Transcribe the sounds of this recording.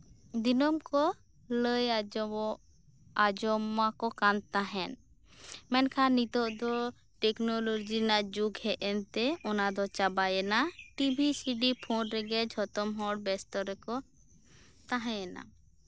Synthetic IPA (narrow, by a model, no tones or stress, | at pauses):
d̪inɔmkɔ | ləj | ad͡ʒɔmakɔkant̪aɦɛn | mɛnkʰanit̪ɔʔd̪ɔ | ʈɛknɔlod͡ʒinaʔd͡ʒuɡhɛʔɛnt̪ɛɔnad̪ɔt͡ʃabajɛnaʈibʱisiɖipʰɔ̃nɾɛɡɛd͡ʒʱɔt̪ɔmɦɔɽbɛst̪ɔɾɛkɔ | t̪aɦãjɛna̰